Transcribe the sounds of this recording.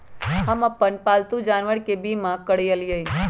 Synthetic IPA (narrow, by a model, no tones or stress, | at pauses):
ɦəmapənpalt̪ũd͡ʒanʋəɽkebimãkəɽijəljəj